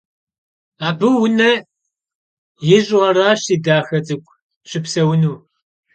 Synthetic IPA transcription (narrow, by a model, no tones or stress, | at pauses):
aːbɨwʊnɐ | jɪʑʼʁɐraːɕiːdaːxɐt͡sʼɨkʷʰʼ | ɕʼɪpsɐwʊnuː